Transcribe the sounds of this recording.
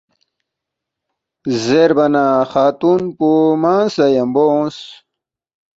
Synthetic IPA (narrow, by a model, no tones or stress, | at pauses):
zeɾbɐnaxaːt̪unpumaːnsɐjɐmbos